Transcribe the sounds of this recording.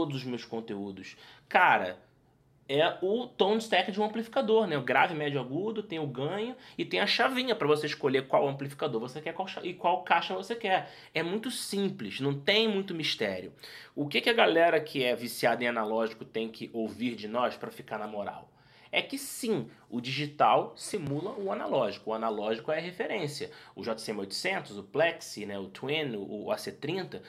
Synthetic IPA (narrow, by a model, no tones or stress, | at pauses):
t̪od̪ʊzʊzmewskõnt̪eud̪ʊskaɾɐ̰ | ɛʊt̪õst̪ɛkɪd͡ʒɪũɐ̃mplifi̥kad̪oɾnɛʊɡɾa̰vɪmɛd͡ʒʊaɡud̪ʊt̪ẽj̃ʊɡɐ̃ɲʊɪt̪ẽj̃ɐʃavĩɲɐpɾɐvoseɪʃkoʎekwawɐ̃mplifi̥kad̪oɾvosekɛkwawʃaʔɪkwawkaʃɐvosekɛɾ | ɛmũj̃t̪ʊsĩplɪʃnɐ̃w̃t̪ẽj̃mũj̃t̪̬ʊmiʃt̪ɛ̰ɾiʊ̰ʊkɪkɪɐɡalɛɾɐkʰɪɛvisiad̪ẽanalɔʒikʊt̪ẽj̃kʰɪʔoviɾd͡ʒɪnɔʃpɾɐfikaɾnɐmoɾa̰w | ɛkɪsĩ | ʊd͡ʒiʒit̪awsimulɐʊanalɔʒikʊːanalɔʒikʊɛɐɦefeɾẽsiɐʊʒɔt̪asẽmojt̪ʊ̥sẽnt̪ʊzʊplɛksinɛʊt̪wĩnʊːa̰set̪ɾĩnt̪ɐ